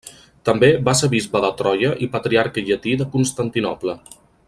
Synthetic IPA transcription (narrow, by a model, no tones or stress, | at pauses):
t̪əmbebaseβizβəðət̪ɾɔjəʔipət̪ɾiaɾkəʎət̪iðəkunst̪ənt̪inɔ̰plə